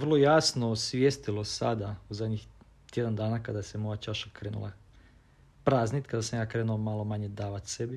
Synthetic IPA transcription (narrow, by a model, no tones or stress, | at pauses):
ʋərlˠojaːsnosʋjest̪ilosa̰d̪auzad̪ɲix | t̪jed̪and̪aːnakad̪asemojat͡ʃaʃakɾeːnṵlˠa̰ | pɾaːznit̪kad̪asamjaːkɾeːnuomalˠo̞maɲed̪aːʋat̪sebi